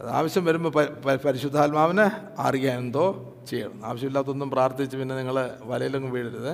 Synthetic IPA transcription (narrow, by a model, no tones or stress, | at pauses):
ɐða̰ːʋɐɕjɐmʋɐɾumɐpɐpɐɾiɕud̪ʱːaːlmaːʋɐnɨ | a̰ːrijaːjend̪o̞ː | t͡ɕejːɐ̰ɽunːua̰ːʋɐɕjɐmelːaːt̪ːo̞nːumpraːrt̪it͡ɕːɨpinːe̞niŋːɐɭeʋɐlɐjiloŋːɨmʋiːɽiɾɐðɨ